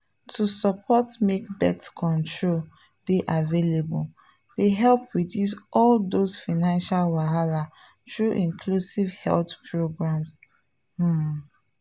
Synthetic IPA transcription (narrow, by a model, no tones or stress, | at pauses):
tʰusɔpʰɔtmekbɛ̰tkʰɔ̃ntʰɹol | d̥eʔavelebul | d̥eɦɛlpɹidjus̬ɔldosfaɪnãnʃalwaɦala | tɹuʔĩŋkʰlusivhɛ̰ltpʰɹoɡɹãms̩